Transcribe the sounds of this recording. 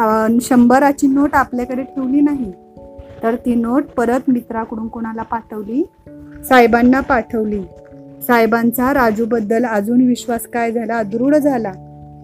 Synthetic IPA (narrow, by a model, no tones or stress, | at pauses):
ɕəmbəɾat͡ɕiːnoʈapljakəɾeʈʰeʋliːnaɦi | t̪əɾt̪iːnoʈ̚pəɾət̪mit̪ɾakuɽuːnkoɽ̃alapaʈʰəʋliː | sajbanːapaʈʰəʋliː | sajbant͡saɾad͡zuːbəd̪ːələd͡zuːnʋiɕʋaskajd͡zʱalaəd̪ɾuːɽd͡zʱala